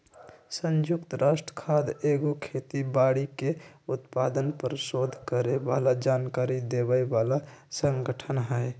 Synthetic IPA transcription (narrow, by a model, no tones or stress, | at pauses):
sə̃nd͡ʒʊkt̪ɾaːsʈɾə̥kʰaːd̪eːɡokʰet̪ibaːɽikeʊt̪paːd̪ənpəɾsod̪ʱkəɾebaːlad͡ʒaːnkaːɾid̪ebəebaːlasə̃ŋɡəʈʰənɦɛe